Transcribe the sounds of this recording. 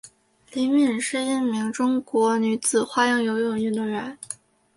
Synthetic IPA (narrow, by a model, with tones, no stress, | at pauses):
li˧˥mi˥˨˩nʂɻ̩˥˧i˥˩nmi˧˥ŋʈ͡ʂʊ˥ŋkwɔ˧˥ny˧˥t͡sɹ̩˨˩xwa˥˧jɑ˥˩ŋjo˧˥ʊjʊ˥˨˩ŋy˥˩nd̪ə˧˩ɻə˧˥n